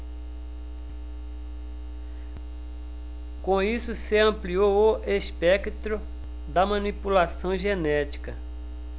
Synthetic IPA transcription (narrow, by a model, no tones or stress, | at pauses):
kõisʊseɐ̃pliowoʔespɛkt̪ɾʊ | d̪ɐmɐ̃nipulasɐ̃w̃ʒenɛt͡ʃi̥kɐ